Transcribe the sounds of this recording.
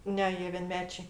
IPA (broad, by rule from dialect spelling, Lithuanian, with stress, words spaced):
ˈnʲɛ ˈjiɛ ʋʲiɛnʲˈmʲæːt͡ʃʲɛɪ